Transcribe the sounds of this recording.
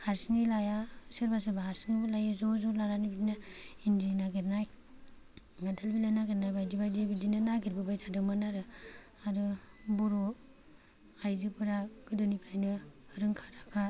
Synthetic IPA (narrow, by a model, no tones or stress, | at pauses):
haɾsnilajasɯɾbasabahaɾsiŋulajazɔzɔlaɾanibidinaindinaɡeɾnaj | ŋadalbilajnaɡeɾnajbajdibajdibidinanaɡiɾbɯbajtʰadɯmanaɾɯ | adɯbuɾɔ | ajzɯpɯɾaɡ̥ɯdɯnipʰɾajnɯhɯɾɯŋkʰḁɾakʰa